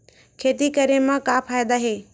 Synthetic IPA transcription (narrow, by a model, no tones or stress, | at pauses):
kʰeːt̪ikəɾemãkaːpʰaːjd̪aɦeː